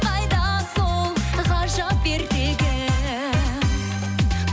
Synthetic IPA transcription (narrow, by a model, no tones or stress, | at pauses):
qɑjd̪ɑsolˠʁɑʒɑp̚beɾbeɡʲɪ